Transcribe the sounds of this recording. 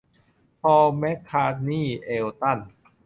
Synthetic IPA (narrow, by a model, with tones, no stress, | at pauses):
pʰɔː˧mɛ˦˥kʰːaː˧˥t̪̚niː˥˩ʔeː˧wt̪a˥˩n